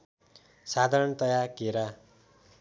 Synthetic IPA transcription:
sad̪ʱaɾʌɳt̪ʌjakeɾa

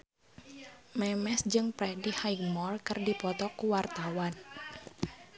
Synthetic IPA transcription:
mɛmɛsd͡ʒɨŋpɾɛdihajɡmɔrkɨrdipɔt̪ɔkuwart̪awan

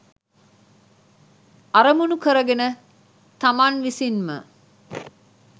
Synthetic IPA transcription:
aɾəmunukəɾəɡenə | t̪amaːnʋisinmə̰

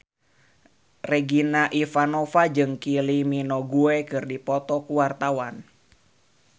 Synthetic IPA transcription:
rɛɡinaʔifanɔfad͡ʒɨŋkiliminɔɡuɛkɨrdipɔt̪ɔkuwart̪awan

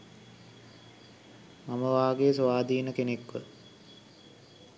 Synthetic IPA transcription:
maməʋaːɡeːsoʋaːd̪iːnəkenekʋə

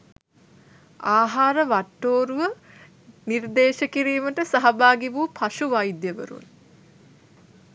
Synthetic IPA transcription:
aːɦaːɾəʋaʈːoːɾuʋə | nird̪eːʃəkiɾiːməʈəsaɦabaːɡiʋuːpʰaʃuʋajd̪jəʋə̰ɾṵn

